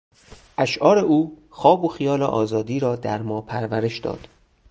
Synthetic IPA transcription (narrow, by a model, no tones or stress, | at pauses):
ʔæʃʔɒːɾe̞ʔuː | xɒːboxijɒːlḛʔɒːzɒːd̪iːɾɒːd̪æɾmɒːpʰæɾvæɾe̞ʃd̪ɒ̰ːd̪̥